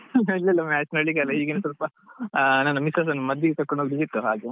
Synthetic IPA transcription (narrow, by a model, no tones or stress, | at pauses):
ilːɐilːɐmaːsnɐɭiɡalɐiːɡenesɐlpɐ | naːnːɐmisaːs̬ɐnmɐd̪ːjiɡekɐkːoɳoːɡiɾd͡ʒit̪ːuɦaːɡe